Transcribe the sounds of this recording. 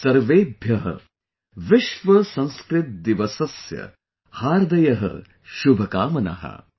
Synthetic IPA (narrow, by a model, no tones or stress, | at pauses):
sɐɾʋeːbʱjɐɦɐ̰ | ʋɪʃʋɐsɐ̃nskɾɪt̪̚d̪iʋɐsɐsjɐ̰ | haːɾd̪ɐjɐɦɐ̰ | ʃubʱɐkaːmɐnɐ̰ɦɐ̰